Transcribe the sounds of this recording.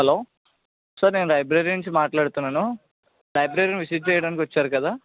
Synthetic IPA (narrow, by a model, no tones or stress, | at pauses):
ɦɛloː | saːɾneːnulɐjbɾeːɾinuɲt͡ʃimaːʈlaːɽut̪unːaːnu | lɐjbɾeːɾiniʋisiʈ̚t͡ʃɛjɐɽaːnikiʋɐt͡ʃːaːɾukɐd̪aː